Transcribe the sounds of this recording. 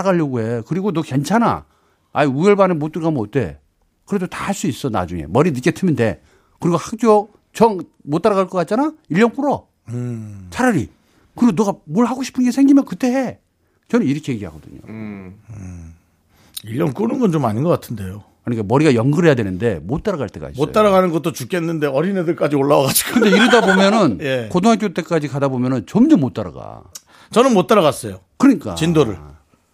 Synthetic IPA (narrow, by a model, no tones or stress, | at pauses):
aɣaʎːʌɡue̞kɯɾiɡonokent͡ɕʰana̰ | aiueɭbanɯnmot͈uɾɡamot͈e̞̰ | kɯɾe̞dotahaɭs͈uis͈ʌna̰d͡ʑuŋe̞̰mʌɾinɯt̚k͈e̞tʰɯmɯnde̞ | kɯɾiɡohak̚t͡ɕ͈o | t͡ɕʌŋ | mot͈aɾaɣaɭk͈ʌk͈at̚t͡ɕ͈anaiʎːʌnk͈uɾʌ | t͡ɕʰaɾʌɾḭ | kɯɾiɡonʌɣamoɭhaɡoɕʰi̥pʰɯnɡe̞sʰeŋɡimjʌnkɯt͈e̞e | t͡ɕʌnɯniɾʌkʰe̞jeɡiɦa̰ɡʌdɯ̰ɲo̰ | iʎːʌnk͈unɯnɡʌnt͡ɕomaɲinɡʌk͈atʰɯnde̞jo | kɯɲik͈amʌɾiɡajʌŋɡɯɾɦe̞jadwenɯnde̞mot͈aɾaɣaɭt͈e̞ɡa̰ismo̰t͈aɾaɣanɯnɡʌt͈ot͡ɕuk͈ʰenːɯnde̞ʌɾinedɯɭk͈ad͡ʑioɭːawʌɡad͡ʑi̥ɡkɯnde̞iɾɯdabomjʌnɯnje̞kotʰoŋak̬jot͈e̞k͈ad͡ʑikadabomjʌnɯnt͡ɕʌmd͡ʑomːot͈aɾa̰ɡa̰ | t͡ɕʌnɯnmot͈aɾaɣas͈ʌjokɯɲik͈a̰t͡ɕindoɾɯ̰ɭ